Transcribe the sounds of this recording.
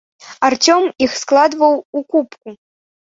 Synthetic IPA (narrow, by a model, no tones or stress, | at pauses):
art͡sʲɔmixsklˠad̪vɐwukupku